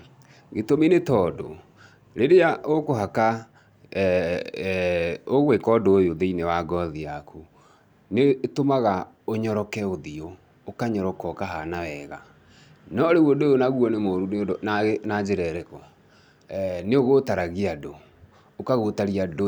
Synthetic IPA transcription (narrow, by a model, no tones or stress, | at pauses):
ɡetominetɔdo̰ | ɾeɾeaʔokoɦaka | oɣwekɔdoːjoðeinewaɡɔðiakʰu | netomaɣa | oɲɔɾɔkɛoðio | okaɲɔɾɔkɔkaɦanawɛɣa | nɔɾewodojonaɣwɔnemoɾunnanad͡ʑeɾɛɾɛkɔ | neoɣotaɾaɣiadoː | kaɣotaɾiado